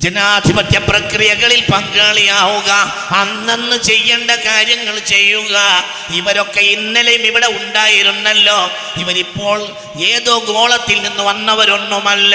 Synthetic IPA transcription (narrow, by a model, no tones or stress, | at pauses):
d͡ʑenaːd̪ʱibɐt̪jɐprɐkrijɐɣɐɭilpɐŋɡaːɭijaːɣuɣɐ | ɐnːenːɨt͡ɕe̞jːeɳɖɐkaːɾjɐŋːɐɭt͡ɕe̞jːuɣɐ | iʋɐɾo̞kːe̞inːilɐjumiʋiɽe̞uɳɖaːjiɾunːɐlːoː | iʋɐɾipːo̞ːɭ | e̞ːðo̞ːɡo̞ːɭɐt̪ːilninːuʋɐnːɐʋɐɾonːomɐlːɐ